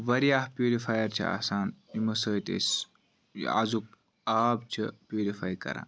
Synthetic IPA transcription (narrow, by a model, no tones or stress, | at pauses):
ʋɐɾijaːhpʲjuːɾifaːjɐɾt͡ʃʰḭa̰ːsaːnimɐsəːt̪ḛːs | a̰zuk̚ | aːb̚t͡ʃʰipjuːɾifaːjkɐ̰ɾã̰ː